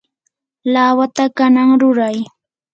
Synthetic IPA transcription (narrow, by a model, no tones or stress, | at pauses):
laːwat̪akanaŋɾʊɾaj